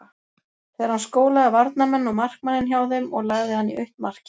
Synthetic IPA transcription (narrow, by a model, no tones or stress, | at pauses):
θɛaɾ̥hanskoːwlaðɪvaɾt̪̚namɛnːɔɣmar̥kmanːɪnçjawθʏmɔɣlaɣðɪhanːiʔœht̪mar̥cɪ̥